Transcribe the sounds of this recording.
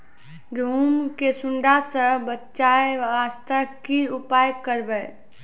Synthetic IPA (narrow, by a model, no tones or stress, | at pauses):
ɡumkesʊɳɖasə̃bətːʃaeʋast̪əkiupajəkːəɾbə